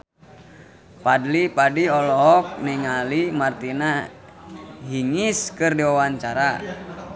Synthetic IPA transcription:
padlipadiɔlɔɦɔk̚niŋalimart̪ina | ɦiŋiskɨrdiwawaɲt͡ʃaɾa

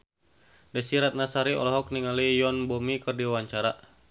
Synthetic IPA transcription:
dɛsiɾat̪̚nasaɾiɔ̰lɔɦɔk̚niŋalijɔnbɔmikɨrdiwwaɲt͡ʃaɾa

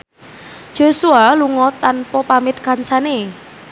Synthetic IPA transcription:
d͡ʒ̥o̤sualuŋɔt̪ːanpɔpamɪt̪̚kaɲt͡ʃane

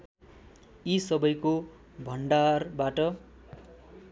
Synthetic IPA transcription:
isʌbʌjko | bʱʌnɳɖarbaʈʌ

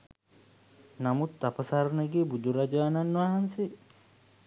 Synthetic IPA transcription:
namut̪ːapəsaɾneɡeːbud̪uɾad͡ʒaːnanːwaɦanse

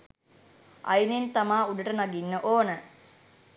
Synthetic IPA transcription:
ʔɐ̰jnent̪amaːuɖəʈənaɡinːəʔoːnə

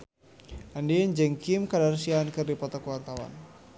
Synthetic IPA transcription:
andiəɲd͡ʒəŋkimkadarsiankɨrdipɔt̪ɔkuwant̪awa̰n

